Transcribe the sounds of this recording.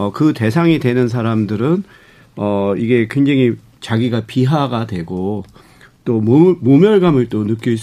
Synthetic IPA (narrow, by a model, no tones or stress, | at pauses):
ʌkɯte̞sʰaŋidwe̞nɯns̬ʰaɾamdɯɾɯn | ʌiɡe̞kwe̞ŋd͡ʑaŋi | t͡ɕaɡiɡapiɦaɡadwe̞ɡo | t͈ommomjʌɭɡamɯɭt͈onɯk͈jʌis